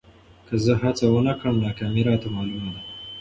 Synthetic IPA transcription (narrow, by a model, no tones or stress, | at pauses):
kəzəɦat͡sawənakɽəmnakamiɾat̪amalumad̪a